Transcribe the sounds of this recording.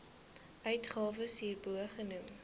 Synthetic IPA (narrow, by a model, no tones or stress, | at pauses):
ʔœɥtχɑːvəsɦiːrbuəχənum